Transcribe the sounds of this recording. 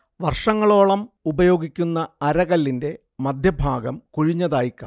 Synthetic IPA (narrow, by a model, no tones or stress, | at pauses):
ʋɐrʂɐŋːɐɭo̞ːɭɐmubɐjo̞ːɡikʲːunːɐɐɾɐɣɐlːinde̞ | mɐd̪ʱjɐbʱaːɡɐmkuɻiɲːɐðaːjikʲːa̰ː